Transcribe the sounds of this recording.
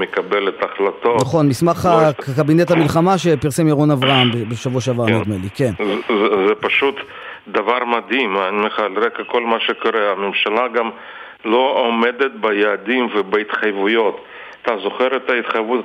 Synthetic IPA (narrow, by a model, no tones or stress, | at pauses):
mekabelet̪aχlat̪onaχo̞nmismaχakabinet̪hamilχamaʃepiʁsemjaʁonavʁaambebeʃavuaʃavamed̪melikenzzɛpaʃut̪ | d̪avaɾmad̪imanimeχalɾekako̞lmaʃekoɾeamemʃalaɡam | lo̞omed̪et̪̚bajaːd̪imvebeit̪χajvujo̞t̪ | t̪azo̞χeɾet̪ait̪χajvut̪